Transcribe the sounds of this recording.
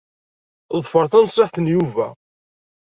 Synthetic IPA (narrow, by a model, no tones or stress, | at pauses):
ðˤfəɾˤθænsˤːaħθənjuvæ